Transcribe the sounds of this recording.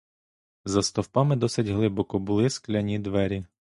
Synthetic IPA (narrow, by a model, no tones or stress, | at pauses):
zɐst̪ɔwpɑmɪd̪ɔsɪtʲɦlˠɪbɔkɔbʊlˠɪsklʲɐnʲid̪ʋɛɾʲi